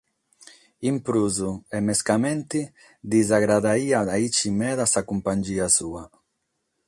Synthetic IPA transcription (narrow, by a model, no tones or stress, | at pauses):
impɾuzuemeskament̪i | d̪izaɣɾaðaiaait͡ʃimɛðasakumpaɲʲd͡ʒiasua